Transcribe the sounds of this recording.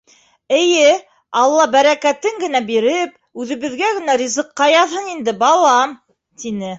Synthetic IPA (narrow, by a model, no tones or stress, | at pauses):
ɘ̆jɘ | ɑlˠːɑbæɾækæt̪ɘŋɡɘ̆n̪æbiɾɘp̚ | ʉðɘ̆βɘ̆ðɡæɡɘ̆nærʲizɤ̆qːɑjɑðhɤɴind̪ɘbɑlˠɑm | t̪inɘ